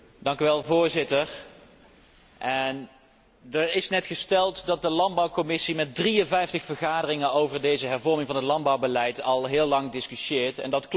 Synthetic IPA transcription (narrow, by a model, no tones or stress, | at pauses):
dɑŋkyʋɛlˠvʊːɹzɪtəɹ | ʔɛn | dəɹɪsnɛtχəstɛlˠtdɑt̚dəlɑnbɑwkomɪsimɛt̚driənvɛjftəχfəɹχaːdərɪŋənowvəɹdejzəɦɛɹvɔɹmɪŋvɑnɦətlɑndbɑwbəlɛjtɑlˠɦɪːlɑŋdɪskysɪːɹtɛ̰ndɑtk